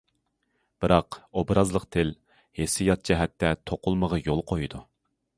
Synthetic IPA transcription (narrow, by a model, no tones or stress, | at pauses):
b̥ɨɾɑqobɾɑzlˠəqt̪ʰɪl | hesijɑt̪̚d͡ʒɛɦɛt̪ʰːɛt̪ʰoqʰʊlˠməʁɑjolˠqʰojud̪u